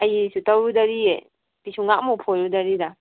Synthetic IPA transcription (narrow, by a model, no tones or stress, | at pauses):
ajisutawɾudaɾiḛ | pisuŋak̚mupʰojɾudaɾida